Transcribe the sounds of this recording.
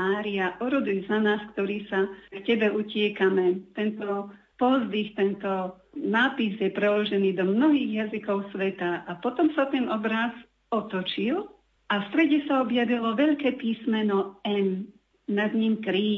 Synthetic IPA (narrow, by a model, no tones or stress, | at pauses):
aːɾiaʔɔɾɔd̪ilzanaːskt̪ɔɾiːsakcɛbɛucɪɛkamɛt̪ɛnt̪ɔ | pɔzd̪ixt̪ɛnt̪ɔ | naːpizjɛpɾɛlɔʒɛniːd̪ɔmnɔɦiːɣjazikɔʊsʋɛt̪aʔapɔt̪ɔmsat̪ɛnɔbɾaz | ɔt̪ɔt͡ʃil | ʔafst̪ɾɛɟɛsaɔbjaʋilɔʋɛʎkɛːpiːsmɛnɔɛn | nad̪ɲiːmkɾiː